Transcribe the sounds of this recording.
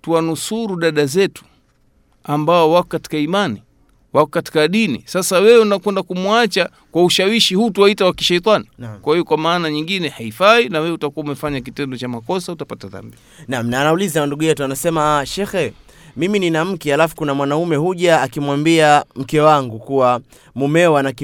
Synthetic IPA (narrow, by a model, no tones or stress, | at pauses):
tuwanusuɾuɗaɗazɛtu̥ | ambaɔwakɔkati̥kaimani | wakɔkati̥kaɗinḭsasawɛɛnakwɛndakumwat͡ʃa | kwauʃawiʃihuːtuwaitawaki̥ʃɛjt̪anikwahijɔkwamaːnaɲiŋɡinɛhaifainawɛutakuwaumɛfaɲak̬itɛndɔt͡ʃamakɔsautapataða̰mbi | nam̩naːnaulizanduɠujɛtuanasɛmaʃɛxɛ | mimininam̩kɛhalafu̥kunamwanaumɛhuʄaːkimwambiam̩kɛwaŋɡukuwa | mumɛwanaki